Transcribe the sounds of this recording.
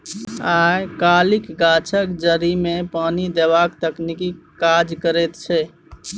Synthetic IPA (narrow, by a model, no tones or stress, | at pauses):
aekalikɡat͡ʃʰəkd͡ʒəɾimepanid̪eβakt̪əknikikad͡ʒkəɾɛt̪t͡ʃʰɛ